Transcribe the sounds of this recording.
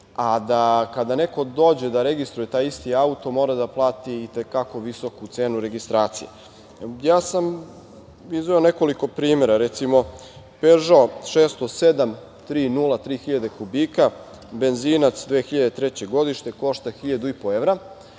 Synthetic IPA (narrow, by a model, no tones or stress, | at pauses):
ad̪akad̪ane̞ko̞d̪o̞ːd͡ʑe̞d̪aɾe̞ɡist̪ɾujet̪aːjist̪iaut̪o̞mo̞ɾad̪aplˠaːt̪iːt̪ekako̞ʋisokut̪seːnuɾe̞ɡist̪ɾaːt̪sḭjḛ | jaːsam | izʋoone̞koliko̞pɾiːme̞ɾaɾet̪simo̞ | peʒaoʃeːst̪osed̪am | t̪ɾiːnulˠat̪ɾiːxiʎad̪e̞kubiːka | be̞nziːnat̪sd̪ʋeːxiʎad̪e̞t̪ɾet͡ɕe̞ɡo̞d̪iʃt̪e̞ko̞ʃt̪axiʎad̪uipo̞eʋɾa